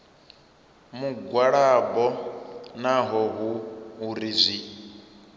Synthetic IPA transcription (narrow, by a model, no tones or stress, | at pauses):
muɡwaɺabɔnaɦɔɦuːɾizʷi